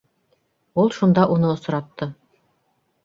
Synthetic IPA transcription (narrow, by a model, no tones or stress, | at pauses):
ulˠʃund̪ɑʔunɤŏs̆ɾɑt̪ːɤ